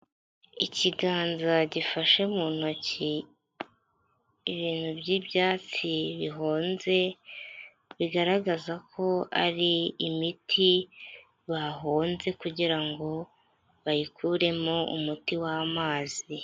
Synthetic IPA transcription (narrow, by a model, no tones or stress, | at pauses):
iciɡaːnzaɟifaʃemuːn̥oci | iβiːn̥hubɟibjaːt͡siβiɦoːnze̞ | βiɡaɾaɡazakʰo̞a̰ɾiimitʰi | βaɦoːnze̞kuɟiɾaŋɡo̞ | βajikʰuɾe̞mo̞ṵmutiwaːmaːzi